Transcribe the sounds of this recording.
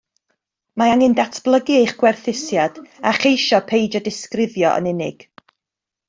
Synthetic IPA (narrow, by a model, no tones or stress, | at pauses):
maaŋɪndatʰb̥lˠəɡiejχɡ̥wɛrθɪsjad̥aχejʃɔpʰejd͡ʒɔdɪskrɪvjɔʔə̰nɪnɪ̰ɡ̥